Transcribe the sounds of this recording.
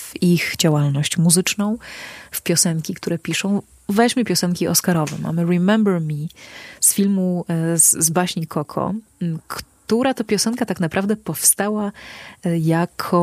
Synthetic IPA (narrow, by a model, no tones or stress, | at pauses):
vixd͡ʑawalnɔɕt͡ɕmuzɘt͡ʂnɔ̃w̃fpʲjɔsɛŋkʲikt̪uɾɛpʲiʂɔ̃w̃ | vɛʑmɘpʲjɔsɛnkʲiʔɔ̰skaɾɔvɛ̰ma̰mɘɾɛmɛmbɛɾmʲisfʲilmuzzbaɕɲikʰɔkʰɔ̰kt̪uɾat̪ɔpʲjɔsɛnkat̪aknapɾavd̪ɛpɔfst̪awa | jakʰɔ